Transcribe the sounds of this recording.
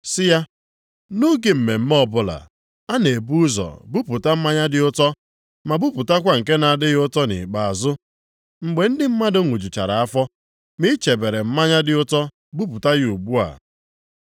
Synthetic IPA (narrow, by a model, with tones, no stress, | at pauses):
sɪ˦ja˦ | no˦ɡe˨m̩˨me˨m̩˦m˦ɔ˦bʊ˦la̰˨ | a˦ne˨bu˦zɔ̰˨bʊ˦pʊ˨ta˦m̩˦ma˦ɲa˦dɪ˦ʊ˦tɔ˦ | ma˨bʊ˦pʊ˨ta˦kʷa˦ŋ̩˨ke˦na˨dɪ˦ɣɪ˦ʊ˦tɔ˦nɪ̰˨k͡pa˨a˨zʊ˦ | ŋ͡m̩˨ɡ͡be˨n̩˦dɪ˦m̩˦ma˦dʊ˦ŋʷu˨d͡ʒu˨t͡ʃa̰˨ɾa˨a˦fɔ˦ | mɪ˦t͡ʃe˨be˨ɾe˨m̩˦ma˦ɲa˦dɪ˦ʊ˦tɔ˦ | bʊ˦pʊ˨ta˦ɣɪ˦u˨ɡ͡bu˦a̰˨